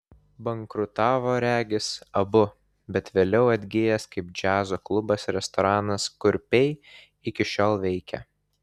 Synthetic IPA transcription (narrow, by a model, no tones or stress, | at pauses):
bɐŋkɾʊt̪ɑːʋoːɾʲæːɡʲɪsɐbʊ | bʲɛt̪ʋʲeːlʲɛʊɐd̪ʲɡʲɪjɛskɐɪp̚d͡ʒʲæːzoːklˠʊbɐsɾʲɛst̪ɔɾɑːnɐskʊɾʲpʲɛɪ | ɪkʲɪʃʲoːlˠʋʲɛɪkʲɛ̰